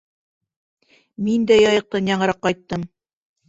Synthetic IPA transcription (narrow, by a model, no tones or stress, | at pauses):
mind̪æjɑjɤ̆q̚t̪ɑnjɑɴɤ̆ɾɑqːɑjt̪ːɤm